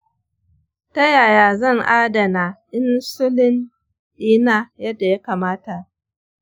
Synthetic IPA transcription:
tɐ˦jaː˨jaː˨zɐ˦˨ŋʔaː˦dɐ˨naː˨ʔɪ˦nsʊ˦lɪ˦n | ɗiː˦naː˦˨jɐ˦dːa˨ja˦kaː˨maː˦ta˨ʔ

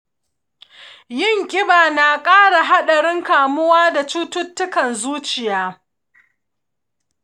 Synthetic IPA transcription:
jɪ˦˨ŋkʲʼɪ˦baː˨na˨kʼaː˦ɽa˨ɦa˦ɗɐ˨ɽɪ˦ŋkaː˨mʊ˦waː˦da˨t͡ʃuː˦tʊ˦tːʊ˦kɐ˨nzuː˦t͡ʃɪ˨jaː˦

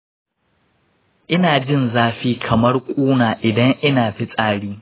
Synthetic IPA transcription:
ʔɪ˦naː˨d͡ʒɪ˦˨nzaː˦ɸiː˦kʰɐ˨mɐ˦rkʷʼuː˦naː˨ʔɪ˨dɐ˦ŋʔɪ˦naː˨ɸi˦sʼaː˦ɽiː˦

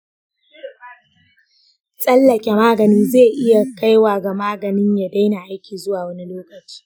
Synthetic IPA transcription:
sʼɐ˦lːɐ˨kʲʼe˨maː˦ɡɐ˨nɪ˦nzeː˦˨ʔɪ˦ja˨ka˦jwaː˨ɡa˨maː˦ɡɐ˨nɪ˦ɲja˨da˦jna˨ʔa˦jkʲiː˨zʊ˦waː˨wɐ˦ni˦loː˦kɐ˨t͡ʃi̥ː˦

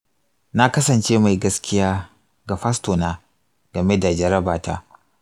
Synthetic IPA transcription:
na˦kɐ˦sɐ˨nt͡ʃeː˦ma˨jɡɐ˦skʲʰɪ˦jaː˦ | ɡa˨ɸa˦stoː˨naː˦ | ɡɐ˨me˦da˨d͡ʒɐ˨ɾɐ˦baː˨ta̰ː˦

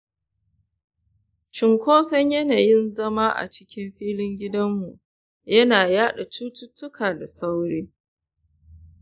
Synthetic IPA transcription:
t͡ʃɪ˨ŋkʷʰoː˦sɐ˦ɲjɐ˦naː˨jɪ˦nzɐ˦ma˦ʔa̰˨t͡ʃɪ̥˦kʲɪ˦mɸiː˦lɪ˦ŋɡʲɪ˦dɐ˦mːu˨ʔ | jɐ˦naː˨jaː˦ɗa˨t͡ʃuː˦tʊ˦tːʊ˦kʰaː˨da˨sa˦wɽeː˦

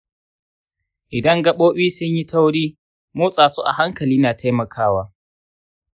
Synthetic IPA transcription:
ʔɪ˨dɐ˦ŋɡɐ˦ɓoː˦ɓiː˦sʊ˦ɲji˦ta˦wɽiː˦ | moː˦sʼaː˨su˦ʔa̰˨ha˦ŋkɐ˨liː˦naː˨tʰa˦jmɐ˨kʰaː˦waː˦

